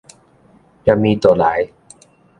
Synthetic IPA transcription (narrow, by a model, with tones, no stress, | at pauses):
t͡ɕa˨miː˧t̪u˨˩laː˩˦j